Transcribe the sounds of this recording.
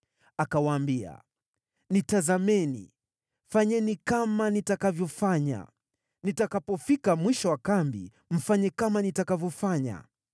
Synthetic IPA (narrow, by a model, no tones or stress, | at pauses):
akawaːmbia̰ | nitazamɛnḭ | faɲɛnikamanitakavjɔfaɲa̰ | nitakapɔfikamwiʃɔwakambḭ | m̩faɲɛkamanitakavjɔfaɲa̰